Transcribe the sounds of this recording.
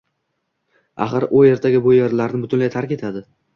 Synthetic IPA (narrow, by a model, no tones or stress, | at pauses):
a̰χɨɾʊje̞ɾt̪ʰaɡʲɪbojeɾlaɾnɪbʊt̪ʰʊnlajt̪ʰaɾkʲe̞t̪ʰad̪ɪ